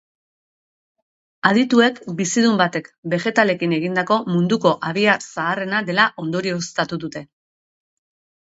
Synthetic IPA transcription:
að̞it̪ue̞kbisiðumbat̪e̞kbe̞xe̞t̪ale̞kine̞ɣind̪ako̞mund̪uko̞ʔaβiasaːre̞naðe̞laʔo̞nd̪o̞ɾio̞st̪at̪uðut̪e̞

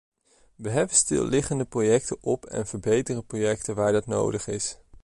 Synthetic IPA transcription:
ʋəɦɛbəstɪ̰lˠːɪχəndəprojɛktəʔɔpɛ̰nv̥əɹbejtərəprojɛk̚təʋaːɹdɑtno̰wdəχɪs

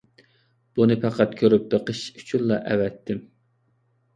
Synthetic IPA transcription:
b̥unɨpʰæqʰæt̪kʲʰøɾyp̚d̪eqʰəʃy̥t͡ʃʰynlˠɑʔɛwɛt̪ʰːɪm

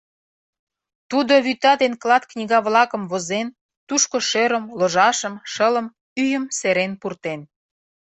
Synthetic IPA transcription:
t̪ud̪oβyt̪ɑd̪enklɑt̪knʲiɣɑβlɑkə̆mβozen | t̪uʃkoʃøɾə̆mloʒɑʃəmʃələ̆m | yjəmseɾenpurt̪en

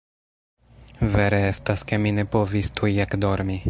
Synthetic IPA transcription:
vɛɾɛːst̪askɛminɛpɔvist̪ʰujjakd̪ɔɾmi

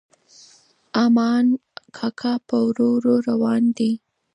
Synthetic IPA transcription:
amɑnkʰɑkʰapəwɾoɾoɾawɑnd̪i

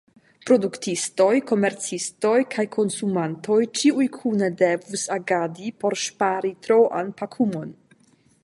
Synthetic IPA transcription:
pɾo̞duktisto̞jko̞meɾt͡sisto̞jkʰajkʰo̞nsumantʰo̞jt͡ʃiujkʰunedevusaɡadipo̞ɾʃpaɾitɾoʔa̰npakʰumo̞n

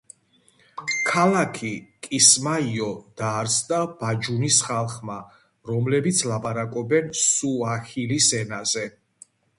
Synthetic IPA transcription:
kʰalakʰikʼismaiɔd̪aːɾsʰd̪ab̥ad͡ʒunisχalˠχma | ɾɔmlɛbit̪sʰlapʼaɾakʼɔbɛnsuahilisɛnazɛ

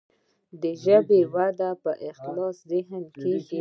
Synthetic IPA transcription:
d̪əʒəbewad̪apəʔɪxlɑszɪɦəmkeɡi

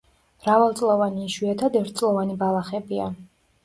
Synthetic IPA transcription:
mɾavalˠt̪sʼlˠɔvaniːʃwiɛt̪ʰad̪ɛɾt̪̚ʰtsʼlˠɔvanibalˠaχɛbia̰

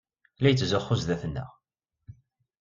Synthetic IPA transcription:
læjət͡sːzəχːʊzðæθnːə̰ʁ

